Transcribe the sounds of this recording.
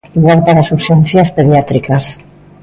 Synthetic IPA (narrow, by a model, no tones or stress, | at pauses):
iɣaɾpaɾasuβʃenθjaspeðjat̪ɾikas